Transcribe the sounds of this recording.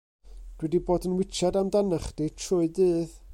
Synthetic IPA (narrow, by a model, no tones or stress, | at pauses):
d̥wɛdiboːdənwɪt͡ʃʰɛdamdanaχd̥itʰrʊɨdɨːð